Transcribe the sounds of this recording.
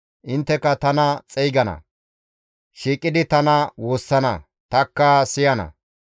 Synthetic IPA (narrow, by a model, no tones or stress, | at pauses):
ʔɪnt̪ːɛkːɐt̪ɐnɐt͡sʼɛjɡɐnɐ̰ | ʃiːkʼːɪd̪ɪt̪ɐnɐwoːsːɐnɐ̰ | t̪ɐkːɐsɪjɐnɐ̰